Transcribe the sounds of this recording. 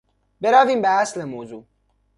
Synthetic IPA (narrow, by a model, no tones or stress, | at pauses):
beɾɒːviːmbeæslemoːzuː